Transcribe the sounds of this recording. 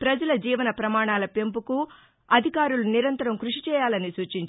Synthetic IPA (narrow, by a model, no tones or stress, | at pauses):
pɾɐd͡ʒɐlɐd͡ʒiːʋɐnɐpɾɐmaːɳaːlɐpe̞mpuku | ɐd̪ʱikaːɾuluniɾɐnt̪ɐɾɐmkɾuʂit͡ʃɛːjaːlɐnisuːt͡ʃiɲt͡ʃ